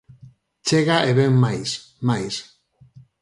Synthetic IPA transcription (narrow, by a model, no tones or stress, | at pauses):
t͡ʃeɣaʔeβeŋmajs | majs